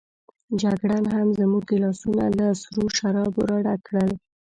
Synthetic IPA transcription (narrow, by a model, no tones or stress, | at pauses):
d͡ʒaɡɽanɦamzəmuɡɪlɑsuna̰ləsɾuʃaɾɑbṵɾɑɽakɽəl